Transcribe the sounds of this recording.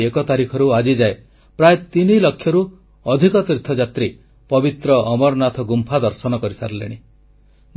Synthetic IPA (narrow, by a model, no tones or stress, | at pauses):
ekɔt̪aɾikʰɔɾuad͡ʒid͡ʒae | pɾaet̪inilɔkʰːjɔɾu | ɔd̪ʱikɔt̪ɾit̪ʰːɔd͡ʒat̪ɾi | pɔbit̪ɾɔɔmɔɾnat̪ʰɔɡumpʰad̪ɔɾsɔnɔkɔɾisa̰ɾɔlḛɽ̃i | m